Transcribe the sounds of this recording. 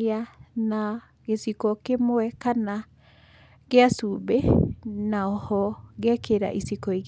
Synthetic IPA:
ana | ɣesikɔkemoɛkana | ɣeasubenaɔhɔɣɛkʰeɾa̰ʔisikɔiɣ

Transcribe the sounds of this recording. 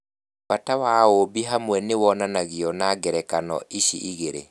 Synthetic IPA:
patawaobiɦamwɛnewɔnanaɣiɔnaɡɛɾɛkanɔ̰ʔiʃiʔiɣeɾḛ

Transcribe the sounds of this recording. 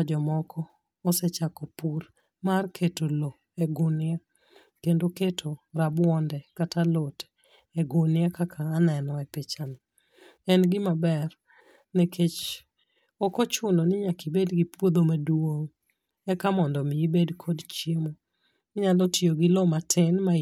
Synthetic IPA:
ad͡ʒɔmɔkʰɔː | sɛt͡ʃakopur | markʰetolo | ɛɡʊnɪa | kendoketʰoɾabwɔndɛkatalotɛ̥ | ɛɡʊnɪakakʰaːnɛnɔɛpet͡ʃani | ɛnɡɪmabɛr | nekʰet͡ʃ | ɔkɔt͡ʃʊnɔnɪɲakibedɡipwod̪omadoŋ | ɛkamɔndɔmɪibedkʰɔdt͡ʃiemo | ɲalɔtioɡɪlɔmatʰɪnma

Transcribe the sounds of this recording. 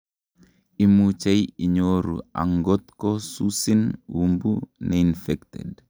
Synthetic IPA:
imut͡ʃajiɲoɾṵa̰ŋɡɔt̪kɔsusinwumbunʔɛinfɛktɛ̰d

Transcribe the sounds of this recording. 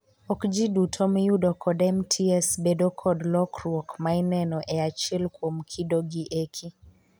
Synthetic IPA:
ɔkd͡ʒidutʰomjudɔkʰɔdɛmtʰiɛsbedokʰɔdlɔkɾwɔkmainɛnɔʔɛat͡ʃɪlkwomkʰidoɡiʔekʰi

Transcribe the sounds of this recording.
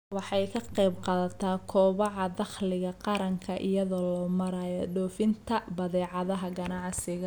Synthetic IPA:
wɑħɑjkʰɐqejbqɑːðɐt̪ʰaːkʰɔːβɑʕɑd̪ɑχlɪɣɐqɑɾɐŋkʰɐʔɪjɐðɔlɔːmɐɾaːjɔɖɔːfɪnt̪ʰɐbɐðɛːʕɑðɐɦɐɡɐnɑʕsɪɣɐ

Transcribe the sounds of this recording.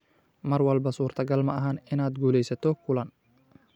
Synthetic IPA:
mɐrwɐlbɐsuːrt̪ʰɐɡɐlmɐʔɐɦaːnɪnaːd̪ɡuːlɛjsɐt̪ʰɔkʰʊlɐn

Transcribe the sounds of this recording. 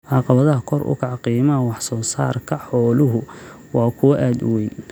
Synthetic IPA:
ʕɑqɑβɐðɐɦɐkʰɔrʊ̰kʰɑʕqiːmɐwɑħsɔːsa̰ːrkʰɐħɔːlʊɦʊ | wɑːkʰʊwɐʔaːd̪ʊwɛjn

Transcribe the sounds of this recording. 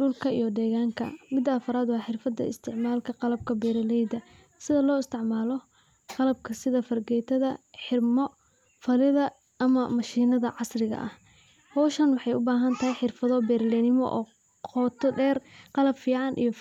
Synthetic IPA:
ɖʊlkʰɐḭjɔd̪ɛːɣaːŋkʰɐ̰mɪd̪ːɐːfɐɾaːd̪wɑːħɪrfɐd̪ɐ̰ɪ̰st̪ʰɪʕmaːlkʰɐqɑlɐb̚kʰɐbɛːɾɪlɛjd̪ɐ | sɪðɐlɔːɪst̪ʰɪʕmaːlɔ | qɑlɐb̚kʰɐsɪðɐfɐrɡɛjt̪ʰɐðɐħɪrmɔ | fɐlɪðɐ | ʔɐmɐmɐʃiːnɐðɐʕɑsrɪɣɐ̰ʔɐh | hɔːʃɐnwɑħɑjʊbaːɦɐnt̪ʰɐɦɛjħɪrfɐðɔbɛːɾlɛnɪmɔ̰ʔɔ̰ː | qʰɔːt̪ʰɔɖɛːrqɑlɐbfiːʕɑnʔḭjɔ

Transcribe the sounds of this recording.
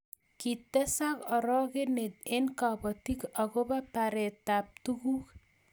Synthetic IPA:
kit̪ːɛsakɔɾɔkenet̪enkapɔt̪ikɔkobapaɾɛt̪ap̚tukuk

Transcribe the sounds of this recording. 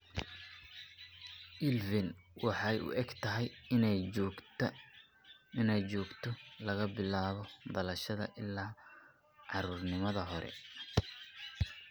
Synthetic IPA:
ʔɪlvɪnwɑħɑjʊ̰ʔɛɡt̪ʰɐɦɛjɪnɛjɔːɡt̪ | ɪnɛjt͡ʃɔːɡt̪ʰɔlɐɣɐbɪlaːβɔd̪ɐlɐʃɐðɐ̰ʔɪlːaː | ʕɑɾuːrnɪmɐðɐɦɔɾɛ̰

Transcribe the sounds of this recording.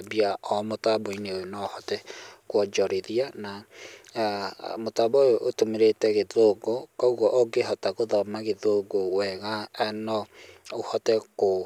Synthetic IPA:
biaɔmotabɔineonɔhɔtɛkwɔd͡ʒɔɾeðiana | motabɔjoʔotomeɾetɛɣeðoɡokɔuɣɔʔoɡeɦɔtaɣoðɔmaɣeðoɡowɛɣaɛnɔohɔtɛko

